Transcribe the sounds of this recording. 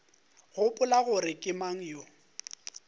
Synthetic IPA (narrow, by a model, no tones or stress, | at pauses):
ɣʊpʼʊlaɣʊɾɪkʼɪmaŋ̩jo